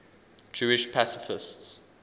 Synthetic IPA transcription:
d͡ʒuːɪʃpʰasɪfɪsts

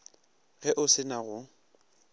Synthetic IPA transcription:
ɣɛʔʊsɪnaɣʊ

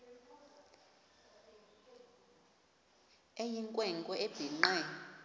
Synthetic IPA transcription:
ejiŋkʼwɛŋkʼɔʔeb̥ʱiŋ͡ǃɛ

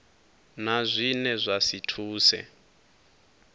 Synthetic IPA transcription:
nazʷinɛzʷasitʰuːsɛ̰

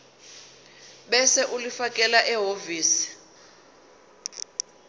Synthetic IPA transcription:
ɓɛsɛʔulifakʼɛlaʔɛɦoviːsi̥

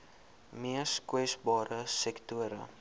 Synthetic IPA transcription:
miəskwɛsbɑːɾəsɛktuəɾə̰

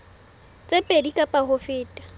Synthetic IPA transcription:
t͡sʼepʼedikʼapʼahʊfɪːtʼḁ

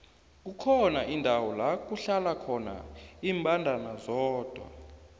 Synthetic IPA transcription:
k̬ukʰɔnaʔindʱawɔlak̬ʼuɬalakʰɔna̰iːmbʱʼandʱanazɔːd̥ʱwa̰

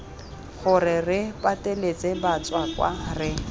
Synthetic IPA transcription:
χʊrɪrɪpʼatʼelet͡sʼebat͡swakwa̰rɪ

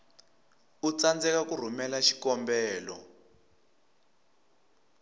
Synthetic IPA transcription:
ut͡sand͡zɛkakur̤umɛlaʃi̥kɔmbɛːlɔ̰

